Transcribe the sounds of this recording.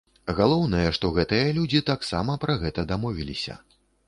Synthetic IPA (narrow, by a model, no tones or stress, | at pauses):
ɣalˠɔwnɐjɐʂt̪ɔɣɛt̪ɨjɐlʲud͡zʲit̪aksa̰mɐpɾɐɣɛt̪ɐd̪amɔvʲilʲisʲɐ̰